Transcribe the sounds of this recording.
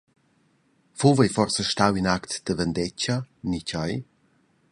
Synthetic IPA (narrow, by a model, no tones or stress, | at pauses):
fuvejfɔrsəʃtawinakt̪d̪̥əvənd̪ɛt͡ʃanicaj